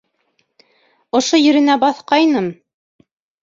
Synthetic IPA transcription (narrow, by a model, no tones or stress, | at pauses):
ŏʃojɵ̆ɾɘ̆næbɑθqɑjnɤm